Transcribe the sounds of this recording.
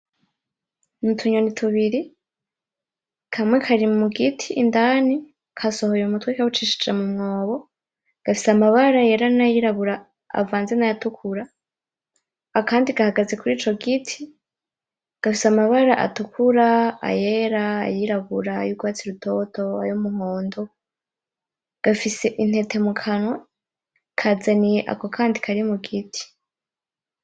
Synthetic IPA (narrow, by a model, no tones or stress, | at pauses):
nutʰuɲo̞nitʰuβiɾi | kʰamŋe̞kʰaɾimmuɡitʰiʔːndaːni | kʰaso̞ho̞jumutwekaβut͡ʃiʃi̥d͡ʒemumŋo̞ːβo̞ | ɡ̥afi̥samaβaɾaje̞ɾanajiɾaβuɾa̰ː | vaːnze̞najatukʰuɾa | kaːndiɡahaɡaze̞kuɾiːt͡ʃo̞ɡitʰi | ɡ̥afisamaβaɾaʔa̰tukuɾaa̰je̞ɾa̰ːjiɾaβuɾajuɡwaːt͡siɾutʰo̞to̞a̰jomuhoːndo | ɡ̥afise̞ʔin̥he̞te̞mukʰana | kʰazanijeʔa̰ko̞kʰaːndikʰaɾimuɡitʰi̥